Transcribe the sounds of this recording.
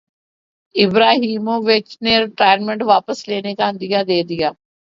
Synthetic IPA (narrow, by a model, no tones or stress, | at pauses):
ɪbɾaːɦiːmõːʋɪt͡ʃneːɾɪʈaːnmẽɳʈʋaːpəsleːneːkaːənd̪ɪjaːd̪eːd̪ijaː